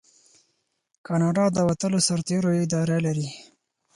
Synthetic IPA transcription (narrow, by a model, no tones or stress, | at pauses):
kɑnɑɖɑd̪əwat̪əlosaɾt̪eɾoɪd̪ɑɾalaɾi